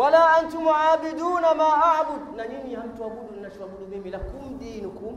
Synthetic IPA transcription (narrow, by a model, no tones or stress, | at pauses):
walaːʔantʊmʕaːbiduːnamaːʔaʕbʊd̪naninihamtuabudunːaʃuabudumimilakumd̪iːnikum